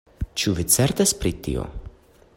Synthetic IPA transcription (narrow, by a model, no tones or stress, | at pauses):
t͡ʃuvit̪sɛɾt̪aspɾit̪ḭo̰